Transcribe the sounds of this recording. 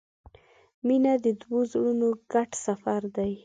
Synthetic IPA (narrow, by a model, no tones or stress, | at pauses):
minad̪əd̪wozɽunoɡ̥aʈsafaɾd̪aj